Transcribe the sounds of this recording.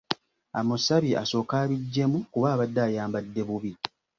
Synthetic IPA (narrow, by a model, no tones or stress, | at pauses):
amusaβiʔa̰so̞ːkaːβiɟːe̞mukuβaːβadːaːjaːmbadːe̞βuβi